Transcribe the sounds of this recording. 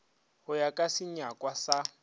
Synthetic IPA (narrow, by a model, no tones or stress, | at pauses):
hʊjakʼasɪɲakʼwasa